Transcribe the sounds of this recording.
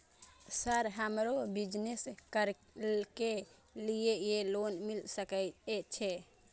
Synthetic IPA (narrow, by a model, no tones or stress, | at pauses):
səɾɦəmɾobid͡ʒneskəɾ | ke | lijejelonmilsəkɛt͡ʃʰɛ